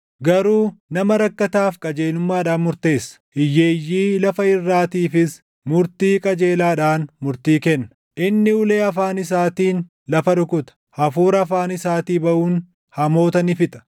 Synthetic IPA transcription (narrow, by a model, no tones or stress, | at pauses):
ɡɐɾuːnɐmɐɾɐkːɐt̪aːfkʼɐd͡ʒe̞ːlʊmːaːᶑaːnmʊɾt̪e̞ːsːɐ̥ʔɪjːeːjːiːlɐfɐɪrːaːt̪iːfɪs | mʊɾt̪iːkʼɐd͡ʒe̞ːlaːᶑaːnmʊɾt̪iːkɛnːɐ̥ | ʔɪnːɪʊle̞ːɐfaːnɪs̬aːt̪iːn | lɐfɐᶑʊkʊt̪ɐ̥hɐfuːɾɐːfaːnɪsaːt̪iːbɐʔuːn | hɐmo̞ːt̪ɐnɪfɪt̪ʼɐ̥